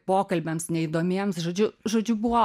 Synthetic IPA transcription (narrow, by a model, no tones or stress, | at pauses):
poːkɐlʲbʲɛmsnʲɛid̪oːmʲiɛmsʒoːd͡ʒʲʊʒoːd͡ʒʲʊbʊʋoː